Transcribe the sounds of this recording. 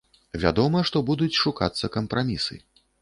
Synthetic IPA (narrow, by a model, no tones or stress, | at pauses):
vʲa̰d̪ɔmɐʂt̪ɔbud̪ut͡sʲʂuka̰t̪sːɐkɐmpɾamʲisɨ̰